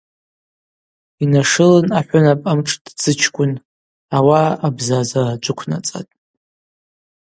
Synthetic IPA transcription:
inaʂɨlɨnaħʷʊnapʼamʈ͡ʂʰʼdd͡zʰɨt͡ʃʰkʷʼʊn | awaːbzazard͡ʒʷʼʊkʷʰna̰t͡sʼa̰tʼ

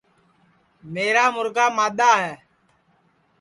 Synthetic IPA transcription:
meːɾaːmʊɾkaːmaːɗ̪aːɦɛː

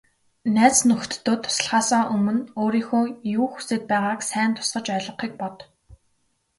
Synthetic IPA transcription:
næːt͡snɵxt̪ːʊːt̪ʰːʊ̥sə̆ɮχaːsaːʔɵmɵ̆noːɾiːxuːjuːxuseːt̪̚pæːʁaːksæːnt̪ʰʊ̥sɢə̆t͡ɕœɮɞ̆χiːk̚pɔt̪

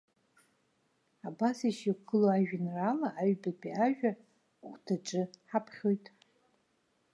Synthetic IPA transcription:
abasiʃiɡʰɨloaʒᶣanralaʔːɥbadʼiaʒᶣa | χʷtʰaʈ͡ʂʼɨħapʰχʲo̞jtʼ

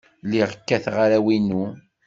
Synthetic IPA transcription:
liʁəkːæθʁaɾæwinu

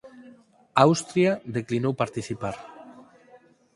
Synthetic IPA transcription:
awst̪ɾiaðeklinowpaɾt̪isipaɾ

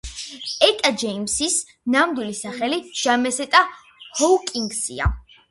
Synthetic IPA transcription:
ɛkʼad͡ʒɛimsis | namd̪wilisaχɛliʒ̥amɛsɛt̪ʼa | hɔlkʼiŋɡsḭa̰

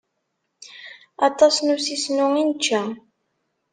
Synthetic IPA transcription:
ɑt̪ˤɑsnusisnʊŋint͡ʃːæ

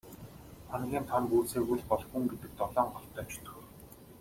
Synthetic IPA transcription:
χanʁʲiːnt̪ʰampuːt͡seːɣuɮpɔɮxuŋɡet̪ɘ̆k̚t̪ɔɮɔːɴɢɔɬt̪œːt͡ɕʰʊ̥t̪xɵ̆r

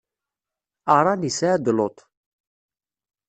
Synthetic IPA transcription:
ɑɾˤɑnisaːd̪lot̪ˤ

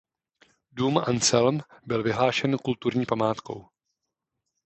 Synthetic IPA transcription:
duːmʔant͡sɛlnbɪlvɪɦlaːʃɛnkult̪uɾɲiːpamaːt̪ko̞̰w

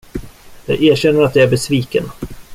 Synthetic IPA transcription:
jɑ̰ːɡæːɕɛnːəɾat̪̚d̪ɛæɾbɛsviːkən

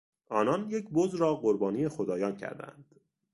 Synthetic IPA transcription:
ʔɒːnɒnjecʰbozɾɒːɢoɾbɒːnijexod̪ɒːjɒːncʰæ̰ɾd̪æ̰nd̪̥

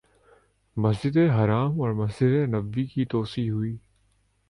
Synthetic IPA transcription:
mɐs̬d͡ʒɪd̪ẽɦɐɾaːmɔːɾmɐsd͡ʒɪd̪ẽnɐbːikit̪oːsiɦʊiː

